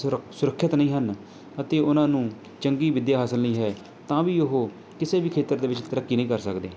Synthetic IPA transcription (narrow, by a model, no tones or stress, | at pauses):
sʊɾəkʰːjət̪nəĩːɦən | ət̪eːʊnãːnũː | t͡ʃəŋɡiːʋɪd̪jaːɦaːsəlnəĩːɦɛː | t̪ãːʋiːʊɦoː | kɪseːbiːkʰeːt̪əɾd̪eːʋɪt͡ʃt̪əɾəkːiːnə̃ĩːkəɾsəkd̪eː